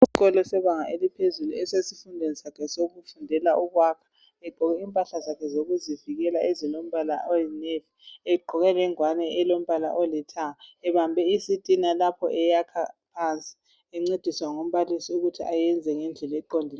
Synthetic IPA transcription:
isiɣɔlɔsɛβaŋaelipʰezuluɛsesifundʱɛnisakʰɛsoɣufundʱɛlaʔuɣwakʰḁ | ɛɡ͡ǃʱɔɣɛimpʼaɬazakʰɛzoɣuziviɣɛlaʔezilom̩βala̰ʔojineviɛɡ͡ǃʱɔɣɛlɛŋwanɛːlom̩βalaʔɔlɛtʰaaɛβambʱɛisitʼinalapʰɔ̰ʔɛjakʰapʰant͡sʼi̥ | ɛŋ͡ǀed̥ʱiswaŋom̩βalisiuɣutʰiʔajɛnd͡zʱɛŋɛnd͡ɮʱɛlaɛǃondʱila

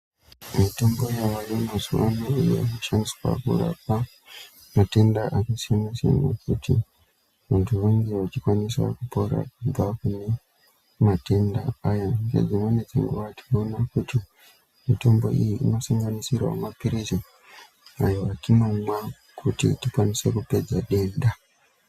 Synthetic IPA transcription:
mitɔmbɔjawajomasuwa̰noija̰uʃansi̥kwa̰kṵɾa̰pa | matɛndaʔakisinisḭnakuti | wantuweŋɡiwat͡ʃikwanisakupɔɾa̰kuvakuni | mate̞ndaajandḛd͡zimwened͡ziŋɡuʋati̥nonakuti | mito̞mbo̞̰ʔijiʔːno̞saŋɡanisirwa̰mapiɾizo | ajoatino̞mwa | kʰutḭtikwanise̞kupe̞d͡zaɗe̞nɗa

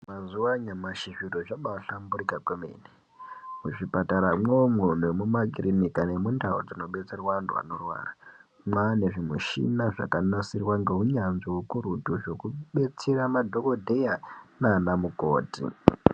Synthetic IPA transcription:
mazuwaɲamaʃiʐiroʐaɓauɬamburikakwemḛni | muʐipataɾamweomun̤uemumaɡʱirinikanemundʱao̰d͡zino̞ɓe̞t͡serwandṵa̰no̞rwa̰ːra | mwane̞ʐimuʃḭnaʐa̰kanasirwaŋɡeɦuɲanzoukuɾutuʐo̞kuɓe̞t͡seɾamadʱo̞ko̞dʱe̞janaːnamuko̞̰ːtḭ

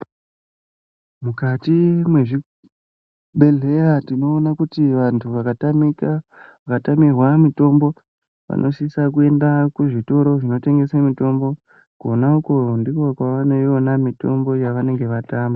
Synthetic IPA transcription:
mukatimwe̞ʐi | ɓe̞ɮe̞ratino̞ːnakutiʋantʰuʋam | ʋakatamirwamito̞mbo̞ | ʋa̰nʔo̞ʃisakue̞ndakuʐito̞ɾo̞ʐino̞te̞ŋɡe̞semito̞mbo̞ | kuonaukondikokwaʋane̞jonamito̞mbo̞jaʋane̞ŋɡe̞ʋataːmba

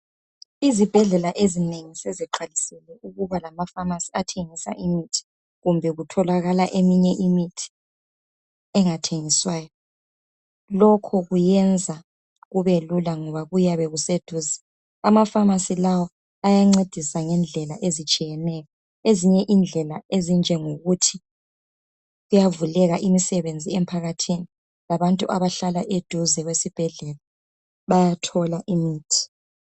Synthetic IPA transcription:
izib̥ʱɛɮɛlaʔezineŋisɛziǃalisɛlɛuɣuβalamafamasiatʰeŋisa̰ʔimitʰi̥ | ɣumbʱɛɣutʰɔlaɣalaʔemiɲɛʔimitʰi̥ | ɛŋatʰeŋiswaːjɔ | lɔkʰɔɣujɛnd͡zʱa | ɣuβelulaŋɔβaɣujaβɛɣused̥ʱuːzḁ | amafamasilawɔ | ajaŋ͡ǀed̥ʱisaŋɛnd͡ɮʱɛlaʔezit͡ʃʼijɛnɛjɔ | eziɲɛʔind͡ɮʱɛlaezind͡ʒʱɛŋoɣutʰi | ɣujavulɛɣaʔimisɛβend͡zʱiɛmpʰaɣatʰini | laβantʼuʔaβaɬalaʔed̥ʱuzɛɣwesib̥ʱɛɮɛla | βajatʰɔlaʔimiːtʰi̥

